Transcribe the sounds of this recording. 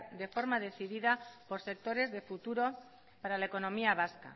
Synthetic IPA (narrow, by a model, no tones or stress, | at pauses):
d̪e̞fo̞ɾmað̞e̞θiðiðapo̞ɾsek̚t̪o̞ɾe̞zðefut̪uɾo̞ | paɾalaeko̞nõ̞miaβ̞aska̰